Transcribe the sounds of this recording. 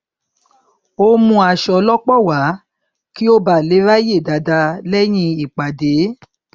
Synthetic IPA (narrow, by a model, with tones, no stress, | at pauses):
o˧mũ˧a˧˨ʃɔ˨lɔ˦k͡pɔ˦˨wa˨˦ | ki˦o˦ba˦˨le˨˦ɾa˦je˦˨da˨da˧lɛ˦j̃ĩ˧i˨k͡pa˨de˨˦